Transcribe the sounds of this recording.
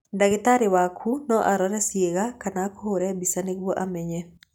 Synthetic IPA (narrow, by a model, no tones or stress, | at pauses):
ndaɡɪt̪aɾɪwakʰunɔʔaɾɔɾɛsjeɡakanakoɾɛbisanɪkwoʔamɛɲɛ